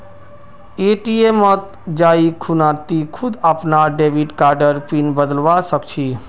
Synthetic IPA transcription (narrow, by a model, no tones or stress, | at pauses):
eʈiemət̪ | d͡ʒaikʰunat̪ikʰud̪əpnaɖeʋiɖkaɾɖəɾpinbəd̪əlʋasəkt͡ʃʰi